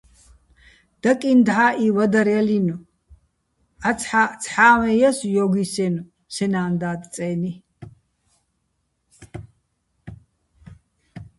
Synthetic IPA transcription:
d̪̥akʼind̪aːʔiwad̪aɾalinu | at͡sʰħat͡sʰħaːwɛjasujɔːɡisɛnu | sɛnaːnd̪aːd̪t͡sʼɛːni

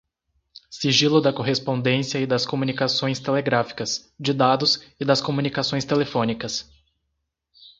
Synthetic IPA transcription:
siʒilʊd̪ɐkoɦespõnd̪ẽsiɐɪd̪ɐskomunikasõj̃st̪eleɡɾafi̥kɐsd͡ʒɪd̪ad̪ʊzɪd̪ɐskomunikasõj̃st̪elefõnikɐs

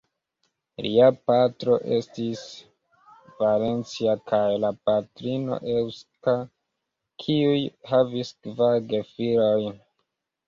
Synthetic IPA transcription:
liapatɾo̞ʔe̞stis | vale̞nt͡siakajlapatɾino̰ʔewska | kʰiujhaviskvaɾɡefiɾoj

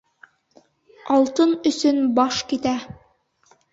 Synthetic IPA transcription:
ɑlˠt̪ɤnɵ̆sɵnbɑʃkit̪æ

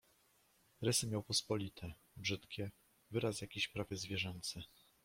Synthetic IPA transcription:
ɾɛsɘmʲjawpɔspɔlʲit̪ʰɛ | bʐɘt̪kʲɛ | vɘɾasjakʲiɕpɾavʲjɛzvʲjɛʐɛnt̪sɘ

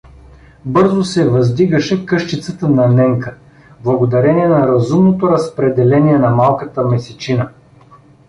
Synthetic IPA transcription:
bɤɾzosɛvɐzd̪iɡəʃɛkɤʃt̪it̪sət̪ənɐnɛŋkə | blˠɐɡod̪ɐɾɛniɛnɐɾɐzumnot̪oɾɐspɾɛd̪ɛlɛniɛnɐmalˠkət̪əmɛsɛt͡ʃinə

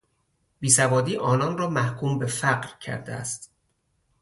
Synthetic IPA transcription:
biːsævɒːd̪iːʔɒːnɒnrɒːmæhkʰuːmbe̞fæɢɾcʰæ̰ɾd̪eæ̰st̪

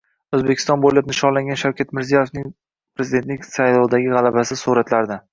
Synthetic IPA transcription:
ɵzbe̞kʲʰɪ̥st̪ɒnbolap̚nɪʃɒnlaŋʲanʃawkʲat̪mɪɾzijaje̞fnɪŋ | pɾezɪd̪e̞t̪lɪkʲsajlɒlˠd̪aɡʲɪʁɑlˠabasɪsuɾat̪laɾd̪ɪ

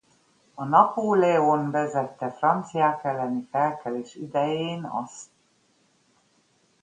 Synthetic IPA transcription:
ɒnɒpoːlɛonvɛzɛt̪ːɛfrɒnt̪sijaːkɛlːɛnifɛlkɛleːʃyd̪ɛjeːnɒ̰st̪

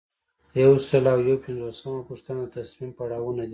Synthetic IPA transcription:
jawsəlawjawpɪnd͡zosamapuʂt̪anad̪ət̪asmimpaɽɑwunad̪i

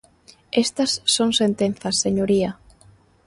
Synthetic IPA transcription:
est̪ɐsːoŋsent̪en̟θɐsːeɲoɾiɐ

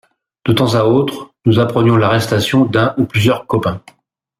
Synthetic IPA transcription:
d̪̥ət̪ɑ̃zaot̪χnuzapχənjɔ̃laʁɛst̪asjɔ̃d̪ɛ̃ʔuplyzjœʁkɔpɛ̃

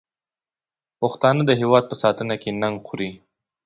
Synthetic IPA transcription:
pəxt̪ɑnəd̪əɦewɑd̪̚pəsɑt̪ənakenaŋɡxʊɾi

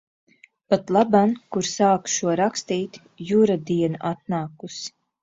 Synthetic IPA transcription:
pat̪lˠabankuɾsaːkʃuɔɾakst̪iːt̪ | juɾad̪iɛnaʔat̪̚naːkus

